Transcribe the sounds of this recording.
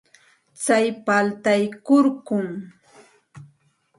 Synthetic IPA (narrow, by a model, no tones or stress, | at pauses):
t͡sajpalt̪ajkʊɾɢʊŋ